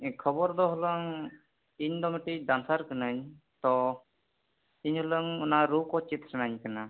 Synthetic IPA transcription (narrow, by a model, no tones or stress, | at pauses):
kʰɔbɔɾd̪ɔɦləŋ | iɲd̪ɔmiʈid̪ansaɾkənəɲ | t̪ɔ | iɲɦɔləŋunaɾukɔt͡ʃit̪ɾnaɲkəna